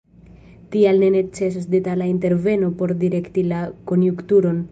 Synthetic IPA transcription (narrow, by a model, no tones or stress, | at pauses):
tialne̞ne̞kt͡se̞s̬os̬de̞talainte̞ɾve̞nopo̞ɾdiɾe̞ktilako̞njuktuɾo̞n